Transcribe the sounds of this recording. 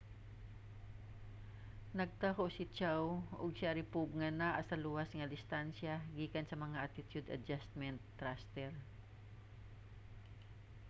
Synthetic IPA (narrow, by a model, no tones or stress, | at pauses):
nɐɡ̚t̪ahoʔsɪt͡ʃawʔʊɡsaɾɪpub̚ŋɐnaʔɐsɐluːwasŋɐd̪ɪst̪ansjaɡiːkɐnsɐmɐŋaʔat̪ɪt̪jʊd̪ɐ̰d͡ʒast̪mɛnt̪ːɾast̪ɛɹ